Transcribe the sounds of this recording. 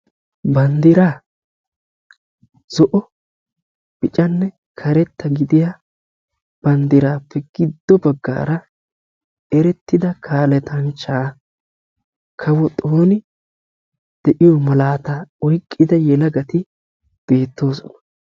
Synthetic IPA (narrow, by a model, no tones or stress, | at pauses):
bɐnd̪ɪɾaː | z̥ɔʔɔ | b̥ɪt͡ʃʼɐnːɛ | kʰɐɾɛt̪ːɐɡɪd̪ɪja | b̥ɐnd̪ɪɾaːpʰːɛɡ̥ɪd̪ːɔbɐɡːa̰ːɾɐ | ɛɾɛt̪ːɪd̪ɐkʰaːlɛt̪ʰɐŋt͡ʃːaː | kʰɐwɔt̪ʼoːnɪ | d̪̥ɛʔɪjɔmɐlaːt̪ɐɔjkʼːɪd̪ɐjɛlɐɡɐt̪ɪ | b̥e̞ːt̪ːo̞ːsɔnɐ̥